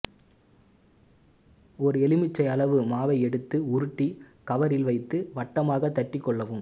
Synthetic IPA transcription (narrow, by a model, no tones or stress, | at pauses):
ɔɾɯɛlɪmɪt͡ʃːɐɪɐɭɐʋɯmaːʋɐɪɛɽɯt̪ːɯʊɾɯʈːikɐʋɐɾɪlʋɐɪt̪ːɯʋɐʈːɐmaːɣɐt̪ːɐʈːɪkːɔɭːɐʋɯm